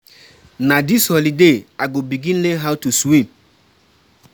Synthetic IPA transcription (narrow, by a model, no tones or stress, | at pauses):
nadishɔlideaɡobiɡĩnleɦawtuswĩm